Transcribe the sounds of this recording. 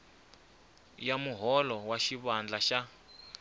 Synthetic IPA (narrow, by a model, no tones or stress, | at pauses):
jamuɦɔlɔwaʃiβand͡ɮaʃa